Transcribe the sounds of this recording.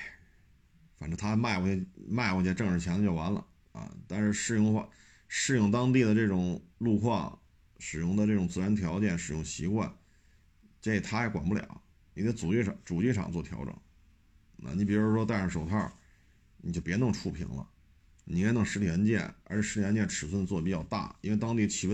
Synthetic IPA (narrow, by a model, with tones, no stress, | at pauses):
fa˨˩nʈ͡ʂɻ̩˥˩t̪ʰa˥ma˥˧ɪkɔ˧˩t͡ɕma˥˧ɪxwɔ˧˩t͡ɕjɛ˥˧ʈ͡ʂɤ˥˧ŋʂɻ̩˧˥t͡ɕʰjɛ˧˥n˧t͡ɕjo˥˩ʊwa˧˥nlə̰˧ | ɐ̰˧˩t̪a˥˧nʂɻ̩˥˧ʂɻ̩˥˩jʊ˥˧ŋxa˥˧ | ʂɻ̩˥˧jʊ˥˩ŋt̪ɑ˥ŋt̪̬i˥˩d̪ə˩ʈ͡ʂɤ˥˩ʈ͡ʂʊ˨˩ŋlu˥˧xʰwɑ˥˩ | ʂɻ̩˨˩jʊ˥˩ŋd̪ə˧ʈ͡ʂɤ˥˩ʈ͡ʂʊ˨˩ŋt͡sɹ̩˥˩ɻə˧˥nət̪ʰjɑ˧˥ʊt͡ɕjɛ˥˩nʂɻ̩˨˩jʊ̰˥˩ŋɕi˧˥kwa̰˥˩n | t͡ɕɛ˥˧˩t̪ʰa˥jɛ˧˥kwa̰˨˩npu˥˩ljɑ̰˨˩˦ʊ | ni˨˩a˥ɪt͡su˨˩t͡ɕi˥˩ɑ˩ŋt͡su˨˩t͡ɕi˥˩ʈ͡ʂʰɑ̰˨˩ŋt͡swɔ˥˩t̪ʰjɑ̰˧˥ʊʈ͡ʂɤ̰˨˩˦ŋ | na̰˥˧ni˧˥˩pi˨˩ɻu˧˥˩ʂɔ˥t̪a˥˩ɪʈ͡ʂʂo˨˩ʊɑ˥˩ | ni˨˩t͡ɕjo˥˩ʊpjɛ˧˥nɤ˧˥ŋʈ͡ʂʰu˥˩pʰḭ˧˥ŋlə̰˧ | ni˨˩kʰnɤ˧˥ŋʂɻ̩˧˥t̪ʰi˨˩ə˧˥nt͡ɕjɛ̰˥˩nə̰˞˧˥t͡ɕʰʂɻ̩˥t̪ʰi˨˩ə˧˥nt͡ɕjɛ˥˩ʈ͡ʂʰɻ̩˨˩s̬wə˥˧nə˧t͡swɔ˥˩pi˨˩t͡ɕɑ˥˧ʊt̪a̰˥˩i˥nwe˥˧ɪt̪ɑ˥ŋt̪i˥˩t͡ɕʰi˨˩w